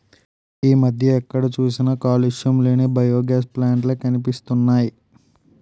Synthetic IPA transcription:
iːmɐd̪ʱjɐɛkːɐɽɐt͡ʃuːsinɐkaːliʂjɐmleːnebɐjoːɡaːsplaːɳʈleːkɐnipist̪unːaːji

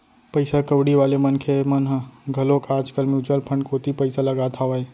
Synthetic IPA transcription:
pəɪsakəʋɽiʋaːlemənkʰemənɦɡʱɐlõːkaːd͡ʒkəlmjuːt͡ʃəlpʰə̃ɳɖkoːt̪ipəɪsalɐɡaːt̪ʰaae

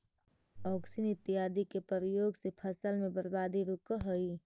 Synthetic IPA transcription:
ɔːksinɪt̪ːiɦaːd̪ikepəɾəjoːɡsepʰəsəlmẽbəɾbaːd̪iɾʊkəɦoi

